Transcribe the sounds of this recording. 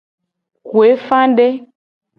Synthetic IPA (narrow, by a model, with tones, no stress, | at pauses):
kwe˨˦fã˦n˦de˦